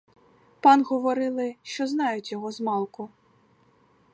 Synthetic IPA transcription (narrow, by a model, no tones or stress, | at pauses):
pɑnɣɔʋɔɾɪlˠɪʃt͡ʃɔznɑjʊtʲjɔɦɔzmɑlˠkʊ